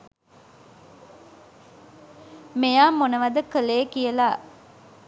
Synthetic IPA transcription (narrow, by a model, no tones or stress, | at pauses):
mejaːmonəʋɐd̪əkəleːkijəlaː